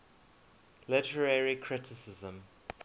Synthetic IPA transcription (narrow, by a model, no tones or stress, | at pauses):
lɪtʰəɹəɹikʰɹɪtʰɪsɪzə̃m